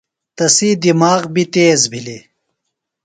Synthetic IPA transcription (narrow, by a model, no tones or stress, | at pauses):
t̪ɐsid̪imaːɣbit̪eːzbʱili